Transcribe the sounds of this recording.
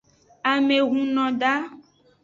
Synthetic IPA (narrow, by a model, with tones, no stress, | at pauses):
a˨me˨ɣũ˦nɔ̃˨ɖa˦